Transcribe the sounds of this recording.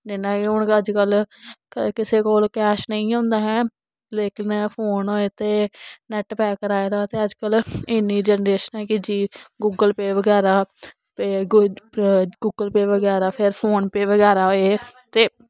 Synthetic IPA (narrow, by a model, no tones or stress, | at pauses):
d͡ʒɪnːãːiʊɳkəd͡ʒkəl | kɪseːkoːlkɛːʃnəĩːõːnd̪aːɦɛː | leːkɪnpʰoːnoːeːt̪eːnɛʈpɛːkəɾaːeɾaːt̪eːəd͡ʒkəlɪnːiːd͡ʒɛːnəɾeːʃənɛːkɪd͡ʒiːɡuːɡəlpeːʋəɡɛːɾaː | pe | ɡuːɡəlpeːʋəɡɛːɾaːpʰɪɾpʰoːnpeːʋəɡɛːɾaːɦoːeːt̪eː